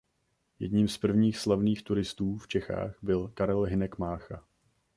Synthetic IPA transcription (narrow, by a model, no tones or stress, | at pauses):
jɛ̰dɲiːmspr̩vɲiːxslavniːxt̪uɾɪst̪uːft͡ʃɛxa̰ːxbɪlkaɾɛlɦɪnɛkmaːxa